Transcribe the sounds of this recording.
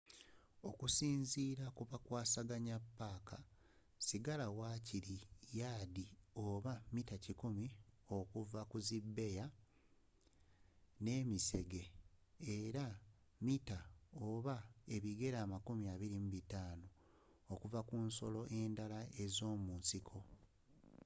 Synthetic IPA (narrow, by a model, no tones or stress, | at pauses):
o̞kusiːnziːɾakuβakwaːsaɡaɲapːaːka | siɡalawaːciɾijaːdio̞βamitacikumio̞kuvakuzibːe̞ja | ne̞ːmise̞ɡe̞eɾa | mitaoβae̞βiɡe̞ɾaːmakumiaːβiɾimbitaːno | okuvakunso̞̰lo̞ʔe̞ːndalae̞zo̞ːmuːnsikʰo̞